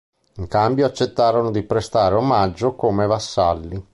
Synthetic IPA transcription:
iŋkambjoat͡ʃːet̪ːaːɾonod̪ipɾest̪aːɾeomad͡ʒːokomevasːalːi

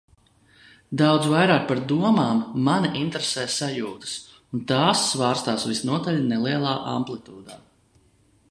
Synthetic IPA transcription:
d̪awd̪zvajɾaːk̚paɾd̪uɔmaːmːaniʔint̪ɾesɛːjsajuːt̪ɨ̥s | unt̪aːsːvaːɾst̪aːsvisnuɔt̪alʲnɛliɛlˠaːʔa̰mplˠit̪uːd̪aː

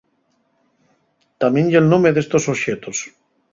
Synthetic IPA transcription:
t̪amjenʎelnõmeðest̪osoβʃet̪os

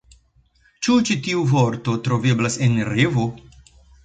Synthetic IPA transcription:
t͡ʃut͡ʃitiuvoɾt̪o̞t̪ɾoveblasenɾevo

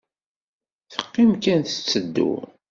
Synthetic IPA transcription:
θə̥qːimkænθə̥t͡sːəd̪ːṵ

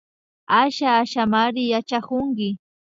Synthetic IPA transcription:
aʃaːʃamaɾɪjat͡ʃakʊŋkɪ

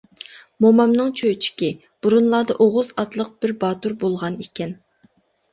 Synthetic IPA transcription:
momɑmnɨŋt͡ʃʰøjt͡ʃʰi̥kʲi | b̥uɾunlˠɑːd̪ɑʔoʁʊzɑt̪lˠəq̚b̥ɪɾbɑːt̪uɾbolˠʁɑnekʲʰɛn

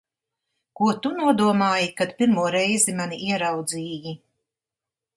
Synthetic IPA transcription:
kuɔt̪unuɔd̪uɔmaːjikad̪pʲiɾmuɔɾɛjzimaniʔiɛɾawd̪ziːji

